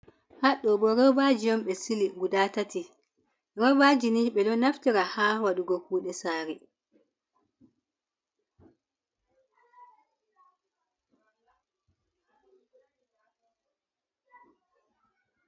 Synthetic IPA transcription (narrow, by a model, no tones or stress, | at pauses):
haɗɔɓɔɾɔwbad͡ʒijɔmɓɛsiliɡudaːtati | ɾɔbad͡ʒiniɓɛɗɔnaftiɾahaːwaɗuɡɔkuːɗɛsaːɾi